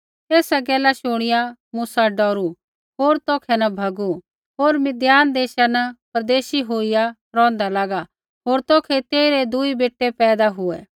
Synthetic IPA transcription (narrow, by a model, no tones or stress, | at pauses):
eːsaɡɛːlaʃʊɽ̃ɪjamusaɖɔːɾu | ɦoːɾt̪oːkʰɛnɐbʱɐɡu | ɦoːɾmɪd̪jaːnd̪eːʃanɐpɐɾd̪eːʃiɦoːija | ɾɔ̃ːnd̪alaːɡa | ɦoːɾt̪oːkʰɛt̪eːiɾed̪ʊibeːʈːepɛːd̪aɦʊɛ̰ː